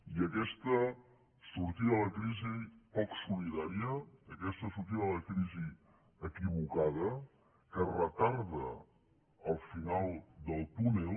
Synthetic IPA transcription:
iəkɛst̪ə | suɾt̪iəələkɾizipɔksuliðaɾiəːkɛst̪əsuɾt̪̬iəðələkɾizi | əkiβ̞ukaðə | kərət̪aɾðəː | lˠfinalˠd̪əlˠt̪une

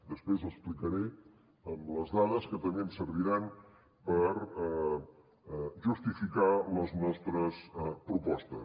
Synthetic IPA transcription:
d̪əspɾezəsplikəɾe | əmləzðaðəskət̪əmemsəɾβ̞iɾan | pəɾ | ʒust̪ifikaləznɔst̪ɾəspɾupɔst̪ə̰

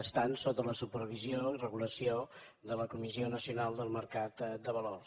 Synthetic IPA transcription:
əst̪ansot̪ələsupərβ̞izioirəɣuləsio | d̪ələkumizionəsiunalˠd̪əlˠməɾkat̪d̪əβəlors

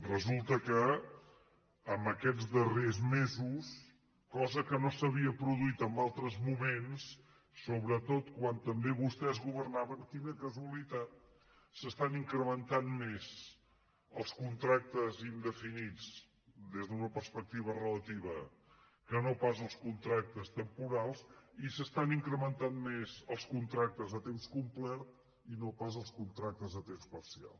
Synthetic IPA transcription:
rəzulˠt̪əkə | mbəkɛd͡zd̪ərezmezus | kɔzəkənosəβiəpɾuðuit̪əmbalˠt̪ɾəzmumensː | oβɾət̪ot̪kwant̪əmbeβust̪ɛzɣuβərnaβəŋt̪inəkəzuəlit̪at̪̚ | səst̪aniŋkɾəmənt̪anmez | əlˠskunt̪ɾak̚t̪əzind̪əfinid͡z | d̪ezðəunəpəɾspək̚t̪iβ̞ərələt̪iβə | kənopazəlˠskunt̪ɾak̚t̪əst̪əmpuɾalˠsisəst̪aniŋkɾəmənt̪anmezəlˠskunt̪ɾak̚t̪əzðət̪emskumplɛrt̪ | inopazəlˠskunt̪ɾak̚t̪əzðət̪emspəɾsia̰lˠ

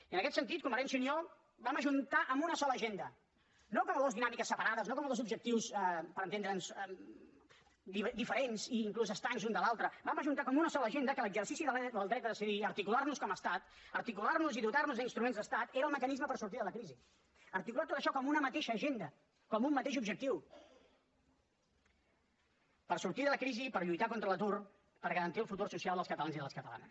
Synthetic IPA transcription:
ənəkɛt̪sənt̪it̪̚kuməɾɛnsunio | baməʒunt̪aʔəmbunəsɔləːʒend̪ə | nokɔməlˠðozðinamikəsːəpəɾaðəznokɔmlðozubʒək̚t̪iwspəɾənt̪end̪ɾənsɛ | d̪id̪ifəɾenziːŋkluzəst̪aŋzund̪əlalˠt̪ɾəbaməʒunt̪akɔmunəsɔləːʒend̪əkələɡzəɾsisiðəd̪əlˠd̪ɾɛt̪əðəsiðiəɾt̪ikularnuskɔməst̪at̪əɾt̪ikularnuziðut̪arnuzðəinst̪ɾumẽnzðəst̪at̪eɾəlˠməkənizməpəɾsuɾt̪iðələkɾizi | əɾt̪ikulat̪ot̪əʃɔkɔmunəmət̪eʃəːʒend̪ə | kɔmumːət̪eʃubʒək̚t̪iw | pərsuɾt̪iðələkɾizipəɾʎujt̪akont̪ɾələt̪ur | pəɾɣəɾənt̪iəlˠfut̪ursusialˠd̪əlˠskət̪əlanziðələskət̪əla̰nəs

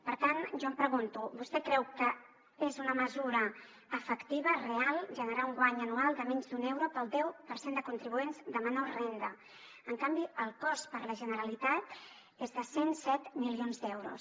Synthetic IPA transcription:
pəɾt̪anʒɔəmpɾəɣunt̪ubust̪ɛkɾɛwkə | ezunəməzuɾəː | fəkt̪iβərealˠʒənəɾauŋɡwaɲənualˠd̪əmɛɲzd̪unɛwɾopəlˠd̪ɛwpəɾsend̪əkunt̪ɾiβuenzd̪əmanorend̪ə | əŋkambiəlˠkɔspəɾləʒənəɾəlit̪at̪̚ | ezðəsensɛt̪milionzd̪ɛwɾṵs

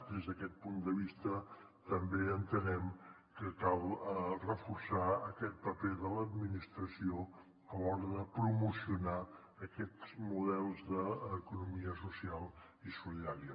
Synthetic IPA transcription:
d̪ezðəkɛt̪̚pund̪əβist̪ə | t̪əmbeənt̪ənɛm | kəkalˠrəfursaəkɛt̪̚pəpeðələd̪minist̪ɾəsio | əlɔɾəðəpɾumusiuna | əkɛzmuðɛlˠzðəːkunumiəsusialˠ | isuliðaɾiə

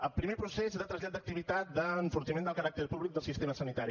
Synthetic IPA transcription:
əlˠpɾimepɾusesɾat̪ɾəzʎat̪̚d̪ək̚t̪iβit̪at̪̚d̪əɱfuɾt̪imend̪əlˠkəɾak̚t̪əɾpuβlik̚d̪əlˠsist̪eməsənit̪aɾi

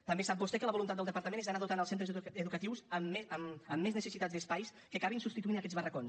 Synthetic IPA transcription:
t̪əmbesap̚bust̪ɛkələβulunt̪at̪əlˠd̪əpəɾt̪əmenezðənaðut̪anəlˠsent̪ɾəzəðukət̪iwsəmːeəməmːeznəsəsit̪ad̪zd̪əspajs | kəkaβinsupst̪it̪uinəkɛzβərəkons

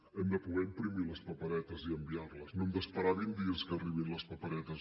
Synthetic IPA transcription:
əmd̪əpuɣɛimpɾimiləspəpəɾɛt̪əziəmbiarləsnomd̪əspəɾaβind̪iəskəːriβinləspəpəɾɛt̪əz

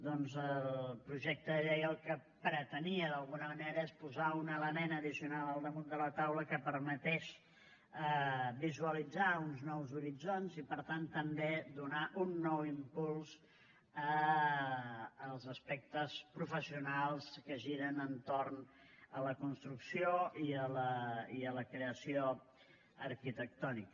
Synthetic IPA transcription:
d̪ɔnzəlpɾuʒɛk̚t̪əəʎejəlˠkə | pɾət̪əniəðəlˠɣunəməneɾəespuzaunələnɛnəðisiunalˠəlˠd̪əmund̪ələt̪awləkəpəɾmət̪ɛʃ | əbizuəlid͡zaunznɔwzuɾid͡zonzipəɾt̪ant̪əmbed̪unaʔunːɔwimpulˠz̥ | ə | lˠzəspɛk̚t̪əspɾufəsiunalˠskəʒiɾənənt̪orn | ələkunst̪ɾuksioiələiələkɾeəsio | əɾkit̪ək̚t̪ɔnik

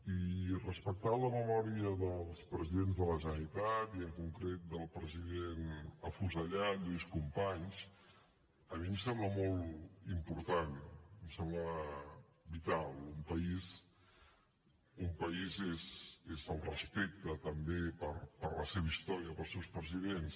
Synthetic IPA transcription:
irəspək̚t̪aləməmɔɾiəðəlˠspɾəziðenzðələʒənəɾit̪at̪iəŋkuŋkɾet̪̚d̪əlˠpɾəziðenəfuzəʎat̪duskumpaɲs | əmim̩sɛmbləmɔlˠimpuɾt̪anmsɛmlə | bit̪alˠumpəiz | umpəizezezəlˠrəspek̚t̪ət̪əmbepəɾpəɾləseβəist̪ɔɾiəpəlˠsewspɾəziðens

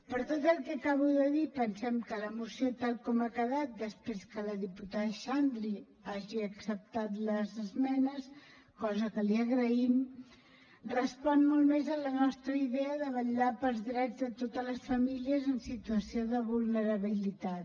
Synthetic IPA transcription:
pəɾt̪ot̪əlˠkɛkaβuðəðipənsɛmkələmusiot̪alˠkɔmakəðat̪̚d̪əspɾeskələðiput̪aðəʃand̪ɾi | aʒiəksəp̚t̪at̪ləzəzmɛnəs | kɔzəkəliəɣɾəim | rəspɔnmolˠmezələnɔst̪ɾəiðɛəðəβəʎapəlˠzðɾɛd͡zðət̪ot̪ələsfəmiliəzənsit̪uəsioðəβulˠnəɾəβilit̪at̪

